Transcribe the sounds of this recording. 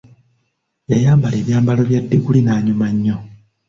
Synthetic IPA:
jajaːmbale̞ːβjaːmbalo̞βjadːeɡulinaːɲumaɲːo̞

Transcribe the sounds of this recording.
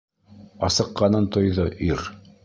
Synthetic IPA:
ɑsɤ̆qːɑnɤnt̪ŏjðoʔiɾ

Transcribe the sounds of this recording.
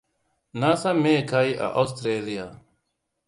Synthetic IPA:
nasameːkʰaːiːʔa̰ʔost̪ɾeːlijaː

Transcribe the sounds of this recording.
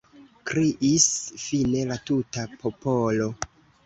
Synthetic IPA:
kɾiʔisfine̞latutapʰo̞po̞lo̞

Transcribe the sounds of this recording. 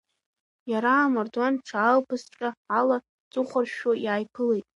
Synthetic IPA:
jaɾaːmardwanʈ͡ʂʰaːlpʰɨsʈ͡ʂʼaala | t͡sʼʊχʷarʃojaːjpʰɨlejtʼ

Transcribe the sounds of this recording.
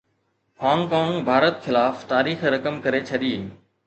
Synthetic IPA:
hãːŋkãːŋɡbʱaːɾət̪xɪlaːft̪aːɾiːxɾɐkəmkɐɾet͡ɕʰɐɗiː

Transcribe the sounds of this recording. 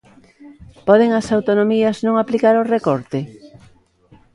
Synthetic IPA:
pɔðeŋɐsawt̪onomiɐznõŋaplikaɾorekɔɾt̪e

